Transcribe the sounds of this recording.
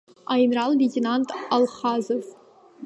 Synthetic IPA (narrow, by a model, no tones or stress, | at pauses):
ajnralvʲetʲʰenantʰʼalχazof